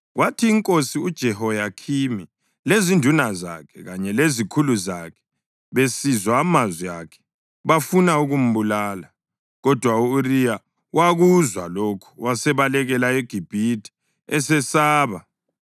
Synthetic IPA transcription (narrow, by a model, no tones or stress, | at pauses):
ɣwatʰiːŋkʼosiud̥ʒ̥ʱɛhɔjakʰimi | lezindʱunaza̰kʰɛɣaɲɛlezikʰuluzakʰɛ̥ | βesizwaːmazwijakʰɛ̥ | βafunauɣum̩βulaːla | ɣɔd̥ʱwauːrija | wʔaɣuzwa̰lokʰu̥wasɛβalɛɣɛlaɛɡ̥ʱib̥ʱitʰʼi̥ | ɛsɛsaːβa